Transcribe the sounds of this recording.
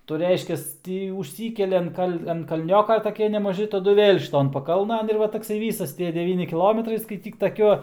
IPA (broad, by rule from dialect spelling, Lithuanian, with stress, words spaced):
tɐɪ jɛʊ ˈrʲɛɪʃʲkʲɛs ˈtʲiː ʊʃʲˈsʲiːkʲɛlʲɪ ɐn ˈkɐlʲ ɐn kɐˈlʲnʲoːkɐ tɐˈkʲiɛ nʲɛmɐˈʒʲɪ tɐˈdʊ ʋʲeːlʲ ʃʲɪˈtoːn pɐˈkɐlˠnɐn ɪr ˈʋɐ tɐkˈsɐɪ ˈʋʲiːsɐs ˈtʲiɛ dʲɛˈʋʲiːnʲɪ kʲɪˈlˠoːmʲɛtrɐɪ skɐɪˈtʲiːk tɐˈkʲuɔ